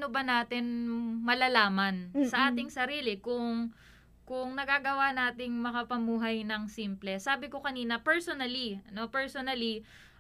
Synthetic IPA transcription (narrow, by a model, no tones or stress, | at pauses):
nobɐnaːt̪ɪnmɐlalaːmɐnssɐʔaːt̪ɪŋsɐɾiːlɪkʊŋ | kʊŋnɐɡaɡɐwanaːt̪ɪŋmɐkɐpɐmuːɦɐjnɐŋsiːmplɛsaːbɪko̞kɐniːnɐpɛɹsonɐliɐno̞pɛɹsonɐli